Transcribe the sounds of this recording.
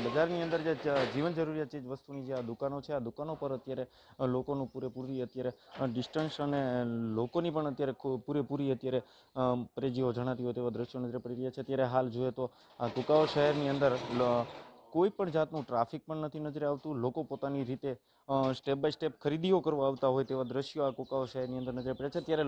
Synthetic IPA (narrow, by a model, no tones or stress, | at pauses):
bəd͡ʒaɾniə̃nd̪əɾd͡ʒad͡ʒiʋənd͡ʒəɾuɾiat̪ed͡ʒʋəst̪unid͡ʒead̪ukanot͡ʃʰead̪ukanopəɾət̪jaɾe | lokonũpuɾepuɾiət̪jaɾeɖɪsʈənsənelokonipəɳət̪jaɾepuɾepuɾiət̪jaɾe | pɾed͡ʒiod͡ʒəɽ̃at̪iɦot̪eʋad̪ɾəʃjonəd͡ʒɾepəɽiɾəjat͡ʃʰeət̪jaɾeɦald͡ʒoet̪o | akukaoʃəɦɛɾniənd̪əɾ | koipəɳd͡ʒat̪nũʈɾafik̚pəɳnət̪ʰinəd͡ʒɾaʋt̪ũlokopot̪aniɾit̪e | sʈep̚bajsʈepkʰəɾid̪iokəɾʋõaʋt̪aɦojt̪eʋad̪ɾəʃjoakukaoʃəɦɛɾniənd̪əɾnəd͡ʒəɾepəɽɾjat͡ʃʰeət̪jaɾe